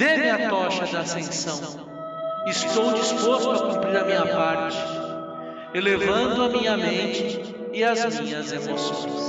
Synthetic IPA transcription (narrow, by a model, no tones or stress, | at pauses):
d̪̥emĩɐt̪ɔʃɐd̪ɐːsẽsɐ̃w̃ | ɪst̪owd͡ʒispost̪ʊɐkũmpɾiɾɐmĩɲɐpaɾt͡ʃɪ̥ | elevɐ̃nd̪ʊɐdmĩɲɐmẽnt͡ʃɪː | ɐzmmĩɲɐzemosõ̰j̃s